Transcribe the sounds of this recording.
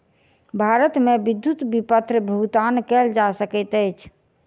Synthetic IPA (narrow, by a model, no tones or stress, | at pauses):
bʱaɾət̪mebid̪jut̪bipət̪ɾbʱuɡt̪ankɛld͡ʒasəkɛt̪əjt͡ʃʰ